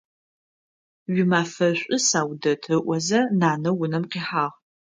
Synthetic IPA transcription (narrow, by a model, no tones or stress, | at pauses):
ɥɪmaːfɐɕʷʼʊsaːwdɐtʰɨʔʷɔzɐnaːnɐwʊnɐmqiːħaːʁ